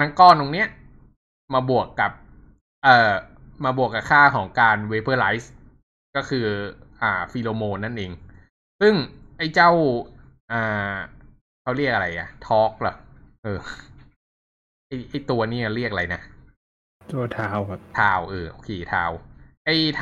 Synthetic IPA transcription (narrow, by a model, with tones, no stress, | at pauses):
na˦˥ŋkɔː˧˥˩nt̪o˧ŋni˦˥ɐ | maː˧bu˨˩əkːa˨˩p̚ | ʔɤː˨˩maː˧bu˨˩əkːa˨˩kʰaː˥˩kʰɔː˩˦ŋkaː˧nweː˦˧˥bɤː˧˩la˦˥js | kɔː˥˩kʰɯː˧ʔaː˨˩fiː˧loː˧moː˧nːa˥˩nʔeː˧ŋ | sɯ˥˩ŋʔa˥˩jt͡ɕa˥˩wʔaː˨˩ | kʰa˥˩wɾi˥˩ək̚a˧ɾa˧jʔa̰˨˩t̪ʰɔː˦˥k̚lɔ˧˩k̚ʔɤː˧ | ʔa˥˩jʔa˥˩jt̪u˧ɐniː˥˩a˨˩ɾi˥˩k̚a˧ɾa˧jna˦˥ | t̪u˧ɐt̪ʰaː˧˥wka˧˩p̚t̪ʰaː˧wʔɤː˧˩ʔo̰ː˧˩kʰeː˧t̪ʰaː˧˩wʔa˥˩